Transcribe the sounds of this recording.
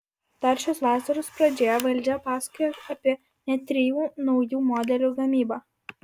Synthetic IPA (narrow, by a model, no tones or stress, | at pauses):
t̪ɐɾʲʃʲosʋɑːsɐɾʊspɾɐd͡ʒʲeːjoʋɐlʲˑd͡ʒʲɛpɑːskʊjosɐpʲiɛ | nʲɛt̪ʲɾʲɪjuːnɒʊjuːmɔːd̪ʲɛlʲuːɡɐmʲiːbɑ